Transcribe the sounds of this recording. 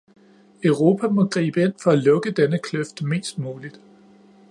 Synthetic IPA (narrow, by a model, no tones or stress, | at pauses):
œʊʁo̝ːpʰæmɒ̽ɡ̥ʁḭːb̥əe̝n̰fɒ̽ælɔ̽ɡ̥əd̥enəkʰløfd̥me̝̰ːsd̥muːlid̥